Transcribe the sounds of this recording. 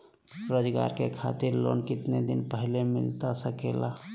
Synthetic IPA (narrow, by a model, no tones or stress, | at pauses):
ɾoːd͡ʒɡa̰ːɾkekʰa̰ːt̪ɪɾlo̰ːnkɪt̪ned̪ɪnpəɦlemɪ̰lt̪asəkeːla